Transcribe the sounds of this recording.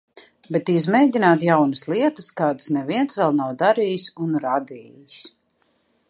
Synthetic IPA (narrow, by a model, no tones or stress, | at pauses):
bet̪izmejdʲinaːt̪jawnəsliɛt̪əskaːd̪ə̥snɛviɛnsvɛlˠnawd̪aɾiːjisunɾad̪iːjis